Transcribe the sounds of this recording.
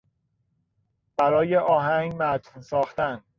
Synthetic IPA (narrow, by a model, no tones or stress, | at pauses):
b̥æɾɒːjeʔɒːɦæŋɡmæt̪ʰnsɒːxt̪æn